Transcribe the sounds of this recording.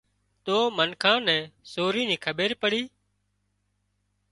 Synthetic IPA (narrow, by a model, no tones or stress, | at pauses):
t̪oːmənkʰãːnɛ̃ːsoːɾiːnĩːkʰəɓeːɾpəɽiː